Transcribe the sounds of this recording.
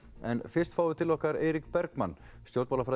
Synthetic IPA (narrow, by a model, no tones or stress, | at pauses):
ɛ̰nfɪrst̪faːwɪt̪ʰɪlɔhkaɾeːjɾikpɛɾkmanː | st̪jowɾt̪malafɾa